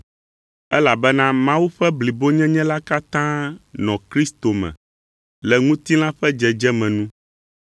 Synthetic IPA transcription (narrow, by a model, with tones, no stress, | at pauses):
ɛ˦la˨bɛ˦nã˦mã˦wu˦ɸɛ˦bli˨bo˦ɲɛ̃˦ɲɛ̃˦la˦ka˦t̪ã˦nɔ̃˨kɾi˦st̪o˨mɛ̰̃˨ | lɛ˨ŋũ˦t̪i˦l̃ã˦ɸɛ˦d͡ʒɛ˨d͡ʒɛ˦mɛ̃˨nũ˦